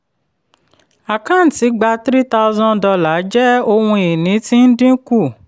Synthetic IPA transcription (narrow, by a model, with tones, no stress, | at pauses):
a˨kã˦˨n̩˨ti˨˦ɡ͡ba˧tɾi˦ta˧u˧zɔ̃˦dɔ˧la˨˦d͡ʒɛ˦o˧hũ˧i˨nĩ˨˦tĩ˦n̩˦dĩ˦ku˦˨